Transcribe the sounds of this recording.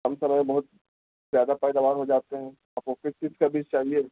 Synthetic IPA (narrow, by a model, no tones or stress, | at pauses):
ɦɐmsɐməjbɐɦʊt̪̚ | zjaːd̪apɛːd̪aːʋaːɾɦod͡ʒaːt̪eɦɛ̃ː | ɐfoːkɪst͡ʃɪskabit͡ʃt͡ʃaːɦieː